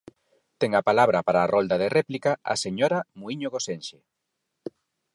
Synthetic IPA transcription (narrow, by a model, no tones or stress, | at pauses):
t̪ɛŋɐpalaβɾɐpaɾaːrʔɔld̪aðerɛplikaa̰seɲoɾamuiɲoɣosenʃe